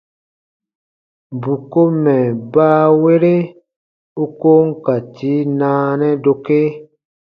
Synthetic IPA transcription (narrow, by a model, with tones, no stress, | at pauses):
bu˨ko˦mɛ˨baː˦we˦ɾe˦ | u˦ko˦ŋ̩˦ka˨ti˨˦nãː˦nɛ˦do˧ke˦